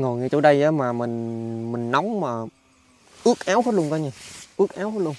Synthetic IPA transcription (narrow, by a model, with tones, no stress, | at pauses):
ŋo˨˩ŋi˨˩t͡ɕo˧˦ɗə˧jʔəː˨˦maː˨˩mï˨˩ŋ̟mï˨˩ŋ̟na˨˦wŋ͡mmaː˨˩ | ʔɨ˦˥ək̚ʔaː˨˦wxɔ˦˥t̚lu˧əŋkɔ˧ɲa˧˩ʔɨ˦˥ək̚ʔaː˨˦wxɔ˦˥t̚lu˧ə˧ŋ